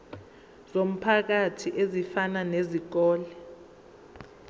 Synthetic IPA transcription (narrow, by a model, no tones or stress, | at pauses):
zom̩pʰak̬atʰiʔezifananezik̬ɔːlɛ